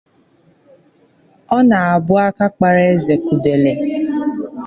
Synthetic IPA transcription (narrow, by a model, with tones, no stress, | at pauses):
ɔ˦na˨a˨bʊ˦a˦ka˦k͡pa˨ɾe˦e˦ze˨ku˨de˨le˨